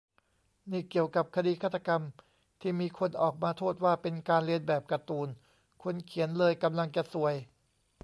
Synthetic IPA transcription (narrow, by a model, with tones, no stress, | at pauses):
niː˥˩ki˨˩əwka˨˩p̚kʰa˧diː˧kʰa˥˩t̪ʰːa˧ka˧m | t̪ʰiː˥˩miː˧kʰo˧nʔɔː˨˩k̚maː˧t̪ʰoː˥˩t̪̚waː˥˩pe˧nkaː˧nli˧ənbɛː˨˩p̚ka˧t̪uː˧n | kʰo˧˥nkʰi˩˦ənlɤː˧jka˧mla˧ŋt͡ɕa˨˩su˨˩əj